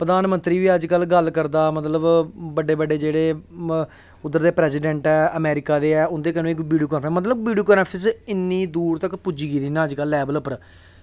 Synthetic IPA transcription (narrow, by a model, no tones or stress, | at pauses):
pɾəd̪aːnmənt̪ɾiːʋiːəd͡ʒkəlɡəlkəɾd̪aːmət̪ləbbəɖːeːbəɖːeːd͡ʒeːɽeː | ʊd̪ːəɾd̪eːpɾɛːsiːɖɛ̃ːɳʈɛːəmɛːɾɪkaːd̪eːɛːʊnd̪eːkənõːɪkʋiːɖioːkəːnʰə̃mət̪̬ləbʋiːɖioːkənːpʰɪsɪnːiːd̪uːɾt̪əkpʊd͡ʒiːɡiːd̪iːnãːəd͡ʒkəlːɛːbələpəɾ